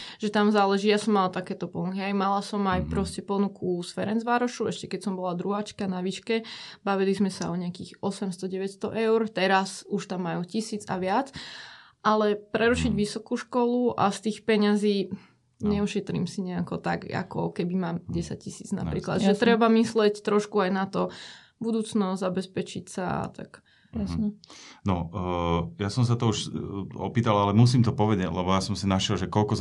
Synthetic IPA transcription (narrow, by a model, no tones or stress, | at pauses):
ʒ̥ɛt̪amzaːlɛʒiːjasɔmːalat̪akɛːt̪ɔpɔnukiɦɛjmalasɔmajpɾɔscɛpɔnukusfɛɾɛnzʋaːɾɔʃuɛʃcɛkɛcsɔmbɔlad̪ɾuɦaːt͡ʃkanaʋiːʃkɛbaʋilizmɛsaɔɲɛakḭːɣɔsɛmst̪ɔɟɛʋɛcst̪ɔʔɛʊɾt̪ɛɾasuʃt̪amːajucisiːd͡za̰ʋɪat͡s | ʔalɛpɾɛɾuʃiɟʋisɔkuːʃkɔluʔa̰st̪iːxpɛɲaziː | ɲɛuʃɛt̪ɾḭːmsiɲɛakɔt̪a̰ɡa̰kɔ̰kɛbimaːmɟɛsac̚cisiːd͡zna̰pɾḭːkla̰d̪ʒɛt̪ɾɛbamislɛct̪ɾɔʃkuajnat̪ɔ | bud̪uːt͡snɔzabɛspɛt͡ʃicsaa̰t̪a̰k | jaɲɛnɔ | jasɔms̬at̪ɔuʃɔ̰piːt̪alalɛmus̬iːmt̪ɔpɔʋɛɟɛɟlɛbɔjasɔmsinaʃɛlʒɛkɔlkɔz